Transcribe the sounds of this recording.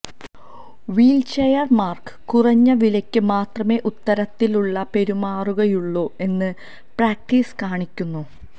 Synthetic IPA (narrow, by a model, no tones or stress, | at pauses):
ʋiːlt͡ɕejɐrmaːrkɨ̥kurɐɲːɐʋilɐkʲːɨmaːt̪rɐme̞ːʔut̪ːɐɾɐt̪ːiluɭːɐpe̞ɾumaːruɣɐjuɭːoːe̞nːɨ | praːk̚ʈiːskaːɳikʲːunːu